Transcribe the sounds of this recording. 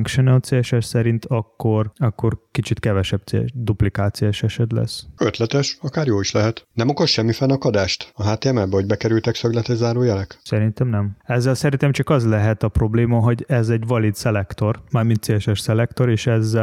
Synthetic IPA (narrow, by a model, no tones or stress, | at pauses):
ŋkʃonɛlt̪seɛʃɛʃsɛɾint̪ɒkːo̞rɒkːo̞rkit͡ʃit̪kɛvɛʃɛb̚t̪sḛd̪uplikaːt̪sijoɛʃɛʃɛt̪lɛ̰søt̪lɛt̪ɛʃɒkaːɾjoːiʃlɛɦɛt̪nɛmokoʃʃɛmːifɛnɒkɒd̪aːʃt̪ɒɦaːt̪eːɛmɛbɛɦoɟ̚bɛkɛɾylt̪ɛksøɡlɛt̪ɛɟzaːɾoːjɛlɛksɛɾint̪ɛmnɛmɛzːɛlsɛɾint̪ɛmt͡ʃɒkɒzlɛɦɛt̪ɒpro̞bleːmɒɦo̞ɟɛzɛɟvɒlid̪sɛlɛkt̪o̞rmaːrmint̪seːlɛʃɛʃsɛlɛkt̪o̞ɾeːʃɛzːɛ